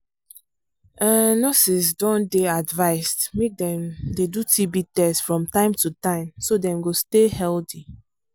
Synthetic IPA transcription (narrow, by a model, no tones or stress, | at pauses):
ɛnɔsisdɔ̃ndeadvaɪstmek̚dɛ̃mdedutʰibitɛsfɹɔ̃mtãɪ̃mtutãɪ̃msodɛ̃mɡostehɛlti